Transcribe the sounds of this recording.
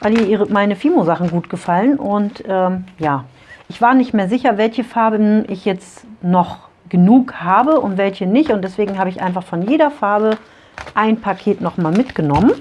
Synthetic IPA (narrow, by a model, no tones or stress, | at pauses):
vaɪliːɐʔiːʁəmaɪnəfiːmozaχn̩ɡuːtɡ̥əfalənʔʊntʔɛːmjaː | ʔɪçv̥aːɐnɪçtmeːɐzɪçɐvɛlçəfaɐbəʔɪçjɛt͡stnɔχ | ɡ̥ənuːkhaːbəʔʊntv̥ɛlçənɪçtʊntd̥ɛsv̥eːɡŋ̩ɦaːbəɪçʔa̰ɪnfaχfɔnjeːɾɐfaɐbə | ʔaɪnpʰakʰeːtnɔχmaːlmɪtɡ̥ənɔmən